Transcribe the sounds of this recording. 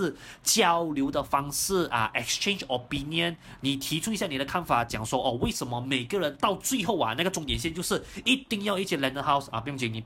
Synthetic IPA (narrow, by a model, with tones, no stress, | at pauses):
t͡ɕjɑ˥ʊljo˧˥ʊd̪ə˨fɑ˥ŋʂɹ̩˥˩ʔə̰˩ʔɛ˨˩kst͡ʃʰẽ˥˧nd͡ʒo˨˩pʰi˥ni˧ə˦n | ni˨˩t̪ʰi˧˥ʈ͡ʂʰu˥i˧˥ɕja˥˩ni˨˩ɾə˦kʰa˥˩nfa˨˩t͡ɕjɑ˨˩ŋʂwɔ˥ʔɔ˥˧˩we˥˩ɪʂə˧˥nmə˧me˨˩ɪɡə˧ɻə˧˦nt̪ɑ˥˧ʊt͡swe˥˧ɪxo˥˩ʊɐ̰˨na˥˩ɡə˩ʈ͡ʂʊ˧˥ŋt̪jɛ˨˩nɕ̬jɛ˥˧nt͡ɕjo˥˧ʊʂɻ̩˥˩i˥˩t̪i˥˧ŋjɑ˥˧ʊi˥˩t͡ɕʰi˩la˧˥nd̪ə˧xa˥ʊsa̰˧˩pi˧jt͡ɕɛ˧˩ni˨˩